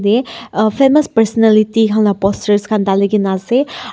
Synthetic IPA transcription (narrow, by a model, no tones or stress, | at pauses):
depʰemɐspɐɾsɔnelitikʰaŋnapɔstɐɾskʰandalijɡinase